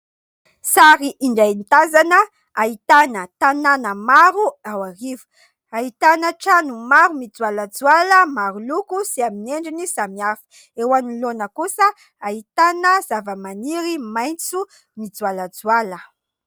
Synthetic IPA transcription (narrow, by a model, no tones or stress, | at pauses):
saɾiʔiɳɖ͡ʐajnt̪azanə | ait̪anət̪ananəmaɾuawaɾivu̥ | ait̪anəʈ͡ʂanumaɾumid͡zualad͡zualəmaɾulukusiamineɳɖ͡ʐinisamiafi̥ | ewanilonəkusə | ait̪anəz̥avəmaniɾimajnt͡su | mid͡zualad͡zwalə